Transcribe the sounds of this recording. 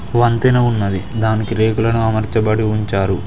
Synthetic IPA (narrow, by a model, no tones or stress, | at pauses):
ʋɐnt̪inɐunːɐd̪id̪aːnikiɾe̞ːɡulɐnuɐmɐɾt͡ʃɐbɐɽiuɲt͡ʃaːɾu